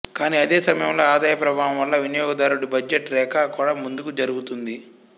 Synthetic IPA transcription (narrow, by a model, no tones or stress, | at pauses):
kaːniɐd̪e̞ːsɐmɐjɐmlo̞ːaːd̪aːjɐpɾɐbʱaːʋɐmʋɐlːɐʋinijɔːɡɐd̪aːɾuɽibɐd͡ʒeʈlɛːkaːkuːɽaːmund̪ukud͡ʒɐɾuɡut̪und̪i